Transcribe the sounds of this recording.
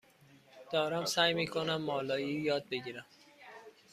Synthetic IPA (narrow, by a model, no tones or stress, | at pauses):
d̪̥ɒːɾæmsæːjmiːkʰonæmːɒːlɒːjiːjɒːd̪̚be̞ɟiːɾæm